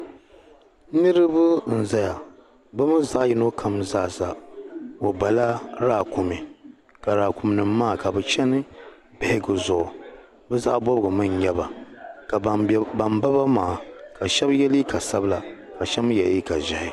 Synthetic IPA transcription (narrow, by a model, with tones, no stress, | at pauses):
nɨ˦ɾɨ˦bʊ˦n̩˨za˦ja˨ | bɨ˦mɨ˦nza˦ʔji˦no˦kʰa˨mzaː˦˨sa˨ | o˨ba˨la˦ɾaː˦˨kʊ˨mi˨ | ka˨ɾaː˨kʊ˨mnɨ˨mːaː˦˨ka˨bɛ˨t͡ʃɛ˦nɨ˦ | bɪ˨hɪ˦ɡɨ˨zʊ˨ʔʊ˨ | bɛ˦za˦ʔbɔ˦bɨ˨ɡɨ˨mɨ˦njɛ˦ba˨ka˨ba˨mba˦ba˦maː˨ka˨ʃɛ˦bjɛ˦li˦ka˨sa˦bla˨ | ka˨ʃɛ˦m˦jɛ˨ʔi˦ka˨ʒɪ˨hɪ˨